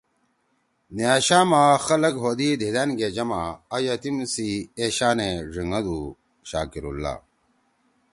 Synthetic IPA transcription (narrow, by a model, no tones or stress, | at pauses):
niaːɕaːmaxɐlɐkɦoːd̪id̪ʱed̪aːnɡed͡ʑɐmaːjɐt̪imsieɕaːneʐiŋɐd̪u | ɕa̰ːkiɾṵlːa̰ː